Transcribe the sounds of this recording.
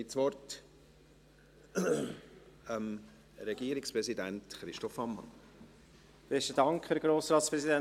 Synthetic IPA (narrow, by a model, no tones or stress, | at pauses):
ɪsvɔɾt | ɛm | ɾɛɡiəɾɪkspɾɛsidæntχɾɪʃtɔfɑmːɑ̰n | b̥ɛstədɑŋkχhɛɾɡ̥ɾoːsɾɑːt̪spɾɛsidɛn